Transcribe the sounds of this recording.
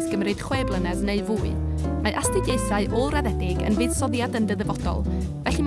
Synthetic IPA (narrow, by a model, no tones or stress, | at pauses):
sɡ̥əmrɨd̥χweːblˠənɛðneɨvuːɨmaʔastɪɡjeɨθaɨʔɔlˠraðɛdɪɡə̰nvɨːð̥sɔðjadəndəðəvɔdɔ̰lˠvɛɬim